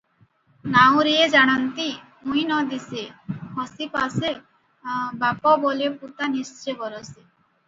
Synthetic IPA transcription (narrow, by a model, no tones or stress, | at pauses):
naw̃ɾied͡ʒaɽ̃ant̪i | mujnɔd̪isehɔsipase | bapɔbɔleput̪anist͡ɕebɔɾose